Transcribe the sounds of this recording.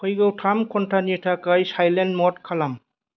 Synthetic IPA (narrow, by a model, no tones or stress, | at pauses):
kʰɔjɡawtʰamkʰɔntʰanitʰakajsajlenmɔtkʰalam